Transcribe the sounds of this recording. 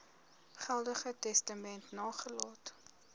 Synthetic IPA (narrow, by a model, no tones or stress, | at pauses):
χælˠdəχətɛstəmɛntnɑːχəlɑːt